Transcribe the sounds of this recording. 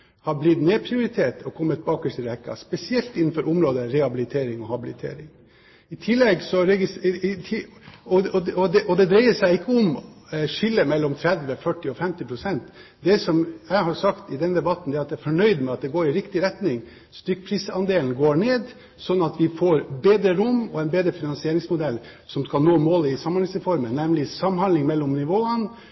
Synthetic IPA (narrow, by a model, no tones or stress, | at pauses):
hɑblɪt̪neːpʰɾɪʊɾɪt̪ʰeːt̪ʰɔkʰɔmːət̪̚bɑːkəʂʈɪlhɛkːɑ̰spɛsɪɛlt̪ɪnːn̩fɔɾʔʊmɾoːd̪əɾɛhɑbɪlɪt̪ʰeːɾɪŋɔhɑbɪlɪt̪ʰḛːɾɪŋ | ɪt̪ʰɪlːɛɡsɔɾɛɡɪsʰ | ɔɔɔd̪ɛʔɔd̪ɛd̪ɾæɪəʂæɪɪkːəɔmʂʏlːəmɛlːɔmt̪ʰɾɛd̪ʋəfœʈːɪɔfɛmt̪ɪpʰɾʊsɛnt̪d̪ɛsɔmjæɪɦɑsɑkt̪ɪd̪ɛnd̪ɛbɑt̪n̩d̪ɛːɾɑt̪d̪ææɾfɔɳœʏd̪mɛɑt̪̚d̪ɛɡoːɾɪɾɪkt̪ɪɾɛt̪nɪŋ | st̪ʏk̚ːpʰɾiːsɑnd̪eːln̩ɡoːɳeːd̪ | sɔnɑt̪ʋɪfoːɾbeːd̪ɾəɾʊmɔɛɪnbeːd̪ɾəfɪnɑnsɪeːɾɪŋsmʊd̪ɛl | sɔmskɑlnoːmoːlɪsɑmːɑnhɪŋsɾɛfɔɾmənːɛmlɪsɑmːhɑnlɪŋmɛlːɔmnɪʋoːən